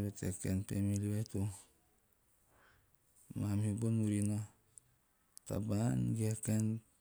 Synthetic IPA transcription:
betekenpemiliwetu | mamibonuɾino | ta̰banɡieken

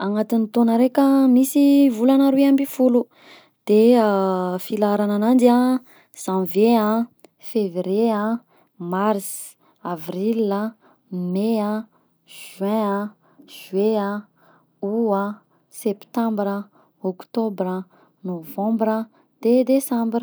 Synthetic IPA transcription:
aŋat̪init̪onəɾekʲəmisivulanaɾuiambifulu | d̪̥eafilaɾananand̪ia | z̥ãnveã | fevɾeã | mars | avrila | meã | ʒ̥wɛ̃ã | ʒ̥wea | uã | sept̪ãmbɾə | okt̪obɾə | novãmbɾə | d̪̥ed̪esãmbr

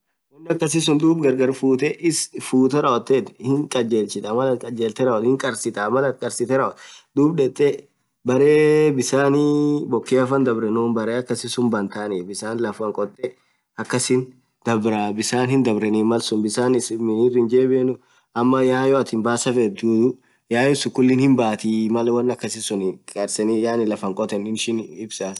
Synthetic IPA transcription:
wɔnːɪɐkːɐs̬ɪs̬ʊnd̪uːbɡɐɾɡɐɾfuːt̪ɛʔɪsfuːt̪ɛɾɐɔt̪ːet̪hɪŋkʼɐd͡ʒeːlt͡ʃɪt̪ɐmɐlɐt̪̚kʼɐd͡ʒeːlt̪ɛɾɐɔt̪hɪŋkʼɐɾsɪt̪ɐmɐlɐt̪̚kʼɐɾsɪt̪ɛɾɐɔt̪d̪uːbᶑɛt̪ʼːɛ | bɐɾeːbɪsaːnibɔkːeːɐfɐnd̪ɐbɾɛnoːmbɐɾeːɐkːɐsɪsʊmbɐnt̪aːniːbɪsaːnlɐfwɐŋkʼɔt̪ʼːɛ | ɐkːɐsɪn | d̪̥ɐbɾɐbɪsaːnhɪnd̪ɐbɾɛniːmɐlsʊnbɪsaːnɪsmɪnɪrɪnd͡ʒeːbenʊ | ɐmːɐjaːjɔɐt̪ɪmbaːsɐfɛd̪uːd̪ʊ | jaːjɔsʊkʊlːɪnhɪmbaːt̪imɐlɐwɐnːɐkːɐsɪsʊnkʼɐɾsɛnɪjaːnɪlɐfɐŋkʼɔt̪ɛnɪnʃɪnɪbsa

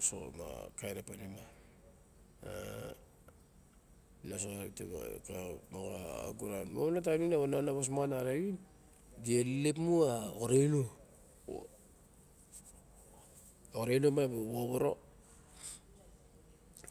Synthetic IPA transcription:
so̰ma̰kajɾapanima | a | nas̬oaβitḛβa̰kamoɡaa̰ɡuɾanmoβnat̬aninaβananaβas̬moanaɾaβin | ɡielepmuakoɾejno | oɾenomaboβoβoɾo̰

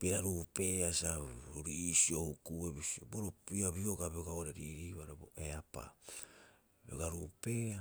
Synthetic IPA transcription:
piɾaɾupe̞asaɾisio̞hukuebisioboɾopiabiokabeoɡaoɾeɾiɾiβaɾeboeapa̰ | beoɡaɾupea

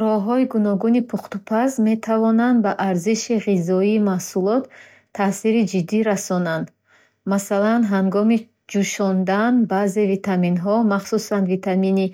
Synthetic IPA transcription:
ɾɔɦɔiɡunɔɡunipʰuχt̪upʰazme̞t̪ʰavɔnand̪baʔaɾziʃiʁizɔiːmahsulɔt̪ʰː | asiɾid͡ʒid̪ːiɾasɔnand̪ | masalanɦaŋɡɔmi | d͡ʒuʃɔnd̪anbazevit̪ʰaminɦɔmaχsusand̪vit̪ʰamini

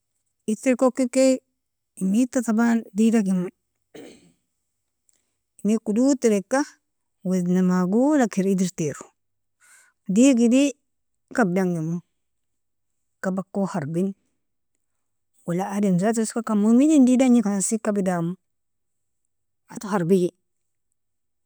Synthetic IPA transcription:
iɾteɾkokːike | imitatabandidaɡimu | imikudutiɾekːa | wednamaɡulakiɾidiɾteɾu̥ | diɡidi | kab̚daŋɡimu | kabakːohaɾbin | wulaadimzat̬uskakamumidindidaɲikansikabidamu | atuhaɾbiɡi

